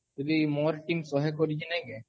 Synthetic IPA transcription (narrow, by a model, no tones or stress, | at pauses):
d͡ʒod̪imoɾʈimsɔɦekoɾit͡ʃʰinajɡe